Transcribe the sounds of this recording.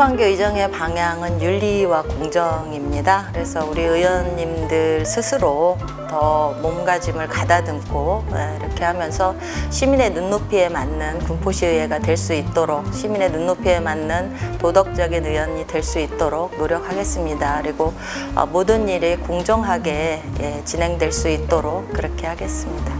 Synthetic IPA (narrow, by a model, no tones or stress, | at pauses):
pʰaŋɡoid͡ʑʌŋe̞paŋjaŋɯnjuʎːiwakoŋd͡ʑʌŋimɲidakɯɾe̞sʰʌuɾiɯjwʌɲːimdɯɭsʰɯsʰɯɾo | tʌmomɡad͡ʑimɯɭkadadɯmkʰojeiɾʌkʰe̞hamjʌnsʰʌ | ɕʰimine̞nunːopʰie̞manːɯnkumpʰoɕʰiɯɦe̞ɡadweɭs͈uit̚t͈oɾok̚ɕʰimine̞nunːopʰie̞manːɯntodʌk̚t͡ɕ͈ʌɡinɯjwʌɲidwe̞ɭs͈uit̚t͈oɾok̚noɾjʌk̚ʰhaɡe̞s͈ɯmɲidakɯɾiɡo | ʌ̰modɯɲːiɾekoŋd͡ʑʌŋɦaɡe̞je̞t͡ɕinɦe̞ŋdwe̞ɭs͈uit̚t͈oɾok̚k͈ɯɾʌkʰe̞haɡe̞s͈ɯmɲida